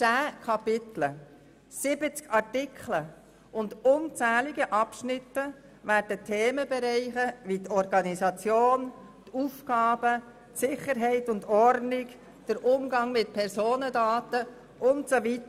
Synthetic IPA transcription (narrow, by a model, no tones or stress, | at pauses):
t͡sæːkʰɑpɪt̪lə | sɪbət͡skʰɑtɪkʰχlə | ʔʊndʊnt͡sæːliɡəʔɑpʃnɪt̪ːə | væːɾd̥ətʰeːməbɛɾɛɪχəʋitʰɔɾɡɑnisɑt͡sjoːn | t̪ʰufɡɑːb̥ə | tsɪχəɾɦɛɪtʊndɔrdnɪɡ | d̥əɾʔʊmɡɑŋmɪt̚pʰɛɾsoːnədɑːt̪ə | ʔʊntsovit̪ə